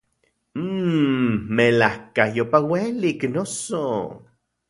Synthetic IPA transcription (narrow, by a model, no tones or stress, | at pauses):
melahkajopaweliknoso